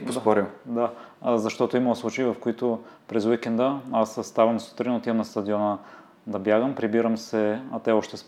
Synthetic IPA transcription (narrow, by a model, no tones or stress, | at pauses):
ost̪ɔɾimd̪azɐʃt̪ɔt̪ʊimɐslˠut͡ʃeivɐfkoit̪ʊpɾɛzwikɛnd̪əasst̪avɐmsu̥t̪ɾinot̪iəmnɐst̪ɐd̪iɔnə | d̪ɐbjaɡəmpɾibiɾəmsɛɐt̪ɛɔʃt̪ɛs